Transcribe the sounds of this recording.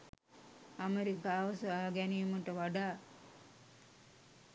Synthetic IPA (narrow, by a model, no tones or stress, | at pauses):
ameɾikaːʋɐsəaːɡæniːməʈəʋaɖaː